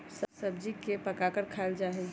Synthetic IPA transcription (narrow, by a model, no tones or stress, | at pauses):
ssəb̚d͡ʒikepəkakəɾkʰald͡ʒaɦɛ